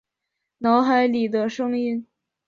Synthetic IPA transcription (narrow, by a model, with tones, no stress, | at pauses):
nɑ˧˥ʊxa˧˥ɪli˨˩d̪ə˦ʂɤ˥ŋi˥˩n